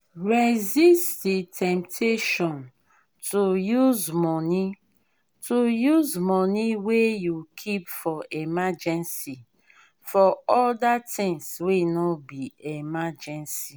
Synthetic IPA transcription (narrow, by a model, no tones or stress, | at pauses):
ɹezistitʰɛ̃mp̚tʰeʃɔ̃n | tʰujuzmɔni | tʰujuzmɔniwejukʰipfɔʔemad͡ʒɛ̃nsi | fɔɔldatɪ̃ŋswinɔbiemad͡ʒɛ̃nsi